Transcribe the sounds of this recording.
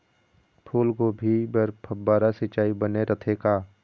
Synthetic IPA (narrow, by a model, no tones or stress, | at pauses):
pʰuːlɡobʱibəɾpʰɐbːaːɾasɪt͡ʃaːibəneɾʔət̪ʰekaː